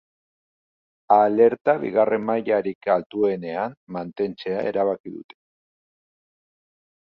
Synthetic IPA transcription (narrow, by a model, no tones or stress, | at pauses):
ale̞ɾt̪aβḭɣare̞mːajaɾikalt̪ue̞ne̞amːant̪e̞nt͡se̞ae̞̰ɾaβakiðṵt̪e̞̥